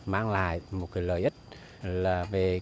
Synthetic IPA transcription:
maː˧ŋla̰ː˧˨jmo˨˩t̚ka˨˦jləː˨˩jʔi˦˥t̚ | laː˨˩ve˨˩

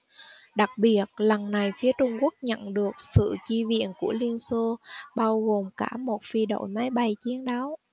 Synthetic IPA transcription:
ɗa˨˩k̚ɓi˨˩ət̚lə˨˩nna˨˩jfi˨˦ət͡ɕʊ˧ŋ͡mku˦˥ək̚ɲə̰˧˨nɗɨ˨˩ək̚sɨ̰˧˨t͡ɕi˧vḭ˧˨ənku˧˩əli˧ənso˧ɓaː˧wɣo˨˩mkaː˧˩mo˨˩t̚fi˧ɗo̰˧˨jmaː˨˦jɓa˧˩jt͡ɕi˨˦ənɗa˨˦w

